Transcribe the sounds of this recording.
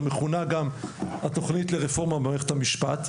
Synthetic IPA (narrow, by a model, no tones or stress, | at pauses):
meχunaɡamat̪o̞χnit̪leʁefo̞ʁmabeaʁeχethamiʃpat̪